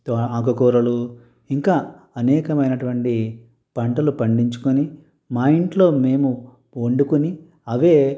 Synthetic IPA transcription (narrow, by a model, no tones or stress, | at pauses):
t̪oaːkɐkuːɾɐlu | iŋkaː | ɐnɛːkɐmɐjnɐʈuʋɐɳʈi | pɐɳʈɐlupɐɳɖiɲt͡ʃu̥kuni | maːjiɳʈlo̞ːme̞ːmu | oɳɖukuni | ɐʋe̞ː